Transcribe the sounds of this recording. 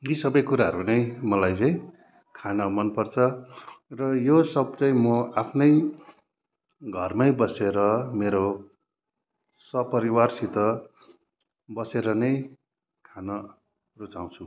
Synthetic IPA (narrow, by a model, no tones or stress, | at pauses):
jisʌbʌjkuɾaɦʌɾunʌj̃mʌlajt͡saĩ | kʰanʌmʌnpʌrt͡sʰʌrʌjosʌb̚t͡saĩmʌapʰnʌj | ɡʱʌrmʌjbʌseɾʌmeɾo | sʌpʌɾiwarsit̪ʌ | bʌseɾʌnʌj | kʰanʌ | rut͡saw̃t͡sʰu